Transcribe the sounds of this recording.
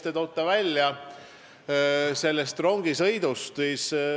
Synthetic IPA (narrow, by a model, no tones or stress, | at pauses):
t̪et̪o̞wt̪ːˑɑvælʲjɑ | se̞lːest̪ro̞ŋɡ̥isɤ̞jd̪ust̪siːs